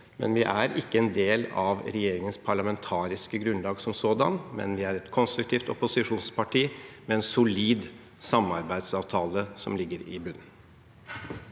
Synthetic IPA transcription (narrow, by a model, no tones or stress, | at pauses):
mɛ̰nʋɪʔæɾɪkːəɛnd̪eːlɑʋɾɛjeːɾɪŋənspʰɑɭɑmɛnt̪ʰɑːɾɪskəɡɾʉnlɑːɡsɔmsoːd̪ɑ̰nmɛ̰nʋɪæɾɛt̪kʰɔnst̪ɾʉk̚t̪ʰiːft̪ɔ̰pʊsɪʂuːnspʰɑʈʰiːmɛɛnsʊliːd̪ | sɑmɑɾbæɪd̪sɑːʋt̪ʰɑːləsɔ̰mlɪɡːəɾɪ̰bʉnː